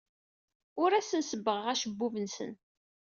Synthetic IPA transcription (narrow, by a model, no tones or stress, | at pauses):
ʊɾæsənsəbːəʁʁæʃəbːuvənsə̰n